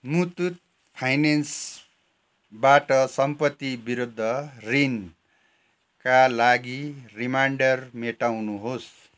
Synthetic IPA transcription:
mut̪ut̪̚ | pʰajnens | baʈʌsʌmpʌt̪ːibiɾud̪ʱːʌrin | kalaɡirimaɳɖʌrmeʈawnuɦos

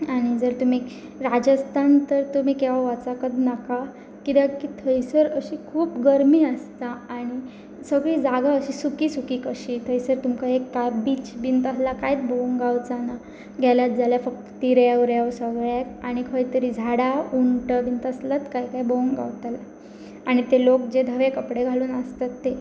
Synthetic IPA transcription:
aɽ̃id͡zəɾt̪um̤i | ɾad͡ʑəst̪ʰant̪əɾt̪um̤iːkeʋaʋat͡sakəd̪naka | kit̪akit̪ʰəjsəɾəɕiːkʰuːpɡəɾmiːəst̪aaɽ̃i | səɡɭiːd͡zaɡaəɕiːsukiːsukiːkəɕit̪ʰəjsəɾt̪umkaɦekːabiːt͡ɕbint̪əslakajt̪bəuŋɡawt͡sana | ɡʱjaljat̪̚d͡zaljafək̚t̪t̪iɾjaʋɾjaʋsəɡɭjakaɽ̃ikʰəjt̪əɾiːd͡zʱaɽauɳʈəbint̪əslat̪kajkajbəŋɡawt̪ala | aɽ̃it̪elok̚d͡ʑed̪ʱəʋekəpɽeɡʱaluːnəst̪at̪ːe

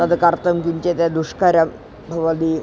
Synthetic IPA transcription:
ad̪kaɾt̪əmkiɲt͡ɕet̪ad̪uʂkaɾja | bʱəʋad̪iː

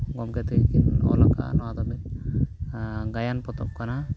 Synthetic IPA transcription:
ɡɔmkɛt̪ɛkinɔ̰laka̰ʔnɔwad̪ɔbɛt̪ | ɡajanpɔt̪ɔp̚kana

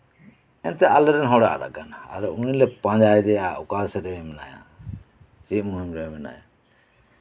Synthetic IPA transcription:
ɛnt̪ɛalɛɾɛnɦɔɽa̰ʔɾa̰kana̰ɾɔunilɛpãd͡ʒajɛd̪ɛjaukasɾɛɛmɛnaja̰ | d͡ʒiʔ̚muɦimɾɛɛmɛna̰ja̰

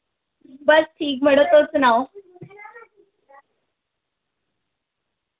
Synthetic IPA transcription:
bəsʈʰiːk̚m̤əɽət̪ot͡sunawo

